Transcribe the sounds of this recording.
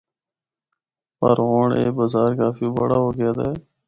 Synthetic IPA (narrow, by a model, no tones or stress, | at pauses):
pə̰ɾɦoːɳḛːbaːzaːɾkaːfiːbəɽaːɦoːɡɪjaːd̪aː